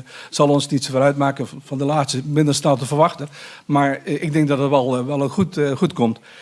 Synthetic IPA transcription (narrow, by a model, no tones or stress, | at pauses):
sɑlˠɔnsnitsvəɾœɥtmaːkənfɔndəlaːstəmɪ̃ndərstɛlˠtəfərʋɑxtəmaɹɪɡ̚dɪŋk̚dɔtdətʋɛlˠʋɛlˠxutxutkomt